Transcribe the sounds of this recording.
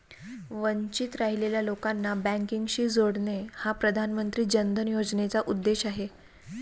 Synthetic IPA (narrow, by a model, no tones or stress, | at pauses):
ʋəɲt͡ɕit̪ɾaɦileljalokanːabæ̃ŋkiŋɡɕiːd͡zoɽnehapɾəd̪ʱanmənt̪ɾiːd͡ʑənd̪ʱənjod͡znet͡saʔud̪ːeɕaɦe